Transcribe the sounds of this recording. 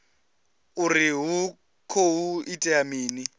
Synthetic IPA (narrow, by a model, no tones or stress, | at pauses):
uriɦu | kʰoɦuitʼɛamiːni